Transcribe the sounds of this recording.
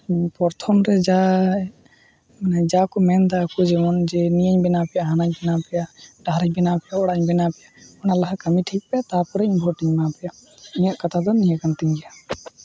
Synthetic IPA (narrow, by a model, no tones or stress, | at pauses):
pɔɾt̪ʰɔmɾɛd͡ʒa | nɛd͡ʒakɔmɛnd̪aːkɔd͡ʒɛmɔnd͡ʒɛnijəɲbɛnapɛjaɦanac̚bɛnapɛjaɖaɾac̚bɛnapɛjaɔɽaɲbɛnapɛjaɔnalaɦakəmiʈʰik̚pɛjat̪apɔɾɛinbʱɔɾʈiɲmapɛjaiɲaʔkat̪ʰad̪ɔnijakant̪iɲɡia